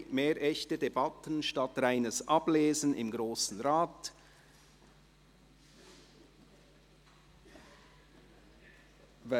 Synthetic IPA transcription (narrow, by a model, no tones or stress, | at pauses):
meːɾʔɛçtədebɑtənʃtɑtɾaɪnəsʔɑbleːzənɪ̰mɡɾoːsn̩ɾaːt | v